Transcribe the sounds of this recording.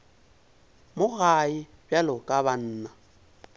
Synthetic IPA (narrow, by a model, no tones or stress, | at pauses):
mʊɣaɪ | bjalʊkʼaban̩ːna